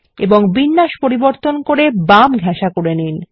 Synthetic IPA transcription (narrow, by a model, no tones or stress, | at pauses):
eboŋbinːaʃpoɾiboɾt̪onkoɾebamɡʱɛʃakoɾenin